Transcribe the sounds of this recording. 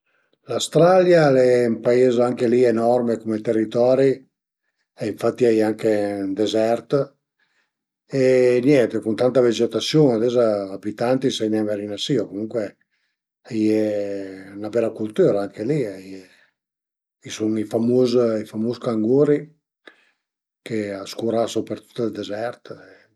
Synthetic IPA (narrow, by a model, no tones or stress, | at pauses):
last̪ɾaljalɛmpaeːzaŋkelienɔrmekumet̪erːit̪ɔːɾi | eiɱfat̪ːiɛjaŋkend̪ezɛrt̪ | enjɛnt̪ekunt̪ant̪aved͡ʒet̪asjoːnad̪ɛzaːbit̪ant̪isɛjnɛmaɾinasiokomuŋkwe | ajɛ | nabɛlakult̪yːɾaaŋkeliaj | isunifamuzifamuskaŋɡuːɾi | keaskuɾasopeɾt̪u̥t̪ːld̪ezɛɾt̪e